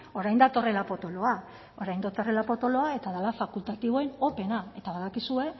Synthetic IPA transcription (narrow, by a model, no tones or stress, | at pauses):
o̞ɾajnd̪at̪o̞re̞lapo̞t̪o̞lo̞a | o̞ɾajnd̪at̪o̞re̞lapo̞t̪o̞lo̞ae̞t̪aðalafakult̪at̪iβ̞o̞eno̞pe̞nae̞t̪aβaðakisue̞